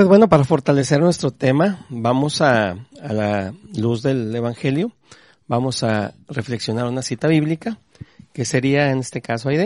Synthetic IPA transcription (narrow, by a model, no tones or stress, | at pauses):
ezβwe̞no̞paɾafo̞ɾt̪ale̞se̞ɾnwe̞st̪ɾo̞t̪e̞mabamo̞saːlaluzðe̞le̞βaŋxe̞ljo̞ | bamo̞sare̞fleksjo̞naɾunasit̪aβiβlika | ke̞se̞ɾiae̞ne̞st̪e̞kasoajðe